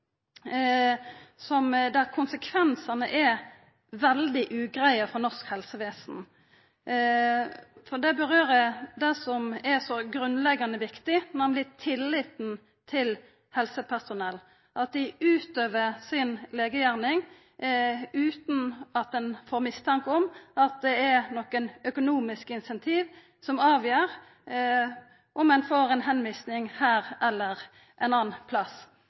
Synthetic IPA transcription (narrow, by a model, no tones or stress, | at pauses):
sɔmd̪æɾkʰʊnsəkʰʋɛnsɑnəʔɛ | ʋɛld̪ɪʔʉːɡɾæɪəfɔnɔskhɛlsəʋeːsn̩ | fɔd̪ɛbəɾøːɾəd̪ɛsɔmɛsɔɡɾʉnlɛɡɑnəʋɪkt̪ɪnæmlɪt̪ʰɪlːɪt̪n | t̪ʰɪl | hɛlsəpʰæsʊnɛlː | ʔɑt̪̚d̪ɪʉːt̪øːʋəsɪnleːɡəjæɾnɪŋ | ʉːt̪n̩ɑt̪̚d̪ɛnfoːɾmɪst̪ʰɑŋkəɔmɑt̪̚d̪ɛɛnɔkːənœkʊnuːmɪskɪnsɛnt̪ʰiːʋ | sɔmɑːʋjəːɾ | ʔɔmɛnfoːɾɛnɦɛnʋɪːsnɪŋhæːɾɛlːəɾ | ʔɛnɑːnpʰlɑs